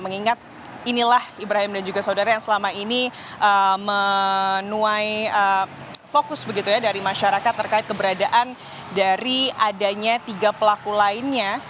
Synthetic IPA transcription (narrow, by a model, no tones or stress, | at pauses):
məŋiŋat̪̚ | inilahibɾaɦɪmdand͡ʒuɡasaudaɾajaŋsəlamaini | ʔəmənuajə | fokʊsbəɡit̪ujadaɾimaʃaɾakat̪ːərkaɪt̪̚kəbəɾadaʔan | daɾiadaɲat̪iɡapəlakulaɪnɲa